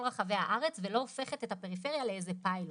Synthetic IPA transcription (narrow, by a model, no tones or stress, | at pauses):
ʁaχave̞haʔaʁet͡svelo̞ofe̞χet̪ethape̞ʁife̞ʁjaleejzepail